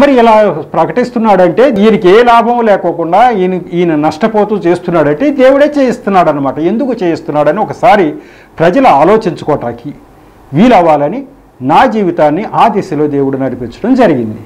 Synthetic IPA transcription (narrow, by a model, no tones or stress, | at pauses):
mɐɾiilaːpɾɐkɐʈist̪unːaːɽɐɳʈe̞ːd̪iːnikeːlaːbʱɐmulɛːkɐkuɳɖaːniːnɐnɐʂʈɐpoːt̪uːt͡ʃeːst̪unːaːɽɐɳʈeːd̪e̞ːwuɽeːt͡ʃeːjist̪unːaːɽɐnːɐmaːʈɐend̪ukut͡ʃeːjist̪unːaːɽɐniɔkɐsaːɾi | pɾɐd͡ʒɐluaːlo̞ːt͡ʃiɲt͡ʃu̥kɔːʈaːki | ʋiːlɐʋaːlɐni | naːd͡ʒiːʋit̪aːnːiʔaːd̪ɛsɐlo̞ːd̪e̞ːwuɽunɐɽipit͡ʃɐ̥ɽɐmd͡ʒɐɾiɡind̪i